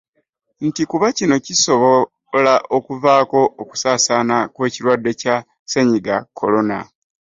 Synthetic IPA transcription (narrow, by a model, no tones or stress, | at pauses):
n̩tikuβacino̞ciso̞βo | laʔo̞kuvaːko̞ːku̥saːsaːnakwe̞ːciɾwadːe̞ca | se̞ɲiɡakʰːo̞lo̞na̰